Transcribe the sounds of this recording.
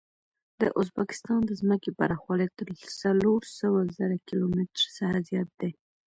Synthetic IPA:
d̪̥ə̰ʔʊzbakɪ̥st̪ɑnd̪əzməkepaɾaxwalat̪əɾsaloɾsəwazəɾakilomɪtɾsahazjɑt̪̚d̪e

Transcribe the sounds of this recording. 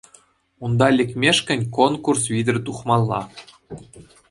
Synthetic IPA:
und̪ɑlʲɘ̆kʲmʲeʂkʲɘ̆nʲkonkursvʲid̪ʲɘ̆rʲt̪uχmɑlˠːɑ

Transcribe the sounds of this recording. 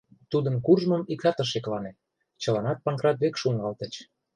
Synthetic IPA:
t̪ud̪ənkurʒməmik̚t̪ɑt̪əʃ̬eklɑne | t͡ɕə̆lɑnɑt̪̚pɑŋkrɑd̪βekʃuŋɡɑlt̪ət͡ɕ

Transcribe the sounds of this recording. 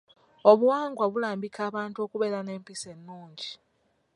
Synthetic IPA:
o̞βuwaːŋɡwaβulaːmbikʰaːβaːntuo̞kuβe̞ːɾane̞ːmpise̞nːuːɲɟi

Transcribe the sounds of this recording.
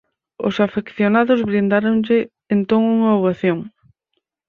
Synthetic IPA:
ʊ̰safekθjonaðʊzβɾind̪aɾoŋʎɪ | ent̪oŋuŋɐoβaθjoŋ

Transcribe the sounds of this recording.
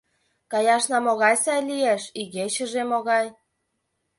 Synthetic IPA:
kɑjɑʃnɑmoɣɑjsɑjlieʃiɣeɕə̆ʒemoɣɑj

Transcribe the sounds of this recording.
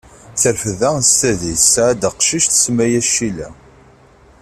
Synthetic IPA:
θəlfəðæst̪æðisʕad̪əqʃiʃt̪ə̥smæjæʃilæ

